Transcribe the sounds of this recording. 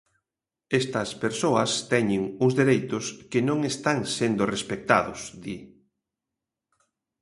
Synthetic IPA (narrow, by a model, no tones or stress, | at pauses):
est̪ɐspeɾsoɐst̪ɛɲɪŋʊzðeɾejt̪ʊskɪnõŋest̪aŋsend̪ʊrespek̚t̪aðʊ̰sði